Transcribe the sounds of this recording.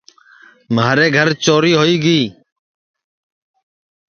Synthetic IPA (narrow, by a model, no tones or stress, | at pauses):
maːɾeːɡʱəɾt͡ʃoːɾiːɦoːiːɡiː